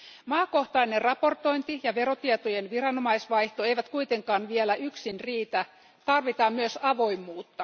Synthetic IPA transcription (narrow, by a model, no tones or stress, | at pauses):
mɑːko̞ht̪ɑinerrɑpo̞rt̪o̞int̪ijɑʋe̞ro̞t̪iet̪ojenʋirɑnomɑisʋɑjht̪oejʋæt̪kuit̪eŋkɑːnʋielæʔyksinriːt̪æ | t̪ɑrʋit̪ɑːmmyøsɑʋo̞imːuːt̪ːɑ